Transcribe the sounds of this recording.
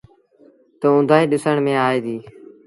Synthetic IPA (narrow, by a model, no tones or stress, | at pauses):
t̪oːʊ̃nd̪ʱaːiːɗɪsəɳmẽːaːeːd̪iː